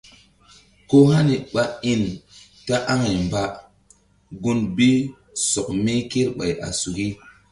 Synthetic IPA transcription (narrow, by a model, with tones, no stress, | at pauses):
ko˦ha˦ni˨ɓa˨i˦n | ta˦ʔa˦ŋa˨jmba˦ | ɡu˦nbi˦ | sɔ˨k̚me˦ke˦ɾɓa̰˨ja̰˨su˨ki˦